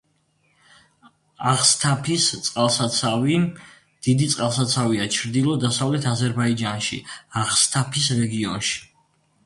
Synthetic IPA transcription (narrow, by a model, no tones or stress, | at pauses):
aχst̪ʰapʰist̪sʼqʼalˠsat̪sʰavi | d̪̥id̪it̪sʼqʼalˠsat̪sʰaviat͡ʃʰɾd̪ilˠɔd̪asavlɛt̪ʰazɛɾbaid͡ʒanʃḭaʁst̪ʰapʰisɾɛɡiɔnʃi̥